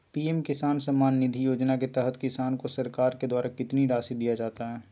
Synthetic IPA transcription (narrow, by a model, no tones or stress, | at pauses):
piːɛmkɪsaːnsɐmːaːnːɪd̪ʱijoːd͡ʒnaket̪ɛɦət̪kɪsaːnkosɐɾkaːɾked̪waːɾakɪt̪niɾaːsid̪ijad͡ʒaːt̪aɦɛː